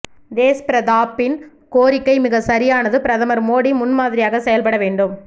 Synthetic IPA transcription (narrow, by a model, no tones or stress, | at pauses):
d̪eːspɪɾɐðaːpːɪn | koːɾɪkːɐɪmɪɣɐsɐɾɪjaːnɐðɯpɪɾɐðɐmɐɾmoːɽimʊnmaːðɪɾɪjaːɣɐsɛjɐlpɐɽɐʋeːɳɖɯm